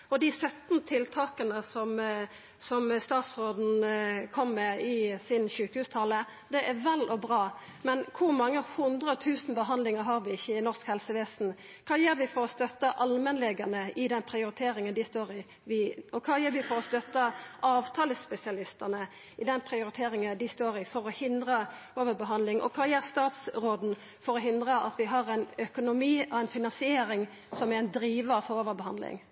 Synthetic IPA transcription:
ɔd̪ɪsœt̪nt̪ʰɪlt̪ʰɑːkənəsɔm | sɔmst̪ɑːt̪sʁoːd̪n̩kʰɔmːɛɪsɪnçʉːkəhʉːst̪ʰɑlə | d̪ɛʔæʁʋɛlʔɔbɾɑːmɛnkʰʊʁmɑŋːəhʊnd̪ɾəɔt̪ʰʉːsn̩bəɦɑnd̪lɪŋəɾɦɑːɾʋɪɪçːəɪnɔʁskhɛlsəʋɛːsn̩ | kʰɑːjøːɾʋɪfɔɾɔst̪œt̪ːəʔɑlmənlɛɡənəʔɪd̪ɛnpʰɾɪʊɾɪt̪ʰeːɾɪŋənd̪ɪst̪oːɾɪ | ʋɪɔkʰɑːjøːɾʋɪfɔɾɔst̪œt̪əʔɑːʋt̪ʰɑːləsːpɛsɪɑlɪst̪ənə | ɪd̪ɛnpʰɾɪʊɾɪt̪ʰeːɾɪŋəd̪ɪst̪oːɾɪfɔɾɔhɪnd̪ɾə | oːʋəɾbəɦɑnd̪lɪŋʔɔ̰kʰɑːjeːɾst̪ɑːt̪sɾoːd̪n̩ | fɔɾɔɦɪnd̪ʁəʔɑt̪ʋɪɦɑʁɛɪnœkʊnʊmiːɑʋɛnfɪnɑnsɪeːɾɪŋ | sɔmæɛɪnd̪ɾiːʋəfɔɾoːʋəɾbəhɑnd̪lɪ̰ŋ

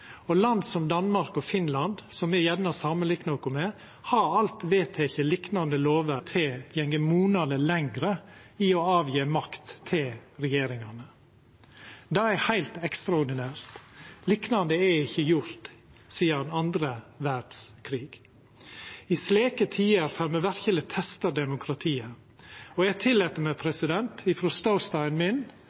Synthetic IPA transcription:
ɔlɑnd̪sɔmd̪ɑnmɑɾkɔfɪnlɑnd̪sɔmɛjɛnnɑsɑːmənlɪknəɔkʊmɛ | hɑɾɑlt̪ʋeːt̪ʰɛɪçəlɪknɑnd̪əloːʋət̪ʰɛjɛŋɡəmuːnɑd̪əlɛŋɡɾəiːoɑːʋjeːmɑkt̪ʰːɪlɾɛjeːɾɪŋɑnə | d̪ɑːæhæɪlt̪ɛkst̪ɾɑʊɾɖ̪ɪnæːɾt̪liːknɑnd̪əɛɪçəjʊɾt̪siːəɑnɑnd̪ɾəʋæɾɖ̥skʰɾiːɡ | iːsleːkət̪ʰiːəɾfœɾməʋæɾçələt̪ʰɛst̪əɖ̪ɛmʊkʰɾɑt̪ʰiːə | oæt̪ʰɪlːɛːt̪ːəɾmɛpʰɾɛsɪd̪ɛnt̪ɪfɾɔst̪ɑʊst̪ɑɪnmɪn

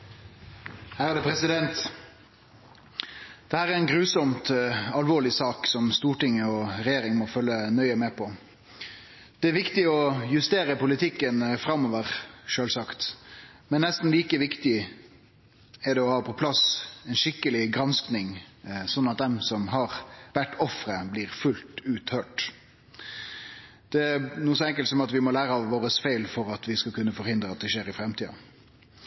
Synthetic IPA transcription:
hæːɾæd̪ɛpʰɾɛsɪd̪ɛnt̪ | d̪̥ɛhæːɾɛɾɛnɡɾʉːsɔmt̪ɑlʋoːɭɪsɑːksɔmst̪uːʈɪŋːəɔɾɛjeːɾɪŋmɔfœlːənœʏəmɛːpʰɔ | d̪̥ɛæɾʋɪkt̪ɪɔjʉst̪eːɾəpʊlɪt̪ʰɪkːənfɾɑmːɔʋəʁʃøːlsɑkt̪mɛnːɛst̪n̩liːkəʋɪkt̪ɪ | ɛɾɖ̪ɛɔhɑːpʰɔpʰlɑsɛɪnʂɪkːəlɪɡɾɑnsknɪŋsɔnːɑt̪̚d̪ɛmsɔmɦɑʁʋæʈːɔfɾəbliːʁfʉlt̪ʉːt̪høːʈ | d̪̥ɛæɾnuːəsɔɛŋk̬əlt̪sɔmɑt̪ʋɪmɔlæːɾəɑʋʋoːɾəsfæɪlfɔɾɑt̪ʋɪskɑkʰʉnːəfɔɾhɪnd̪ɾəɑt̪̚d̪ɛʃeːɾɪfɾɛmt̪iːɑ̰

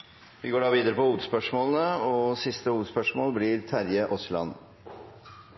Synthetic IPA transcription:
ʋɪɡoːɖɑːʋiːd̪əɾəpɔhuːʋəd̪spœʂmoːlənəɔsɪst̪əhuːʋəd̪spœʂmoːlblɪɾt̪ʰæɾjəʔʊslɑ̰n

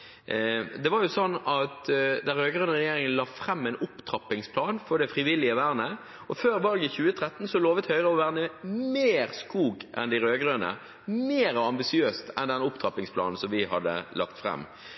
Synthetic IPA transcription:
d̪ɛʋɑɾjʊsɔnːɑt̪d̪æɾøːɡɾøːnəʁɛjeːɾɪŋənlɑːfɾɛmːɛɪnʊpt̪ʰɾɑpːɪŋspʰlɑːnfɔɖ̪ɛfɾɪʋɪlːɪəʋæːɾnə | ʔɔføːɾʋɑːɡəçʉːət̪ʰɾɛt̪ːn̩sɔloːʋət̪hœʏʁəɔʋæːɾnəmeːɾskuːɡʔɛ̰nd̪ɪɾøːɡɾønə̰ | meːɾɔɑmbɪsɪøːst̪ɛnd̪ɛnʊpt̪ʰɾɑpɪŋspʰlɑ̰ːnn̩sɔmʋɪhɑd̪ə̰lʔɑ̰kt̪fɾɛ̰mː

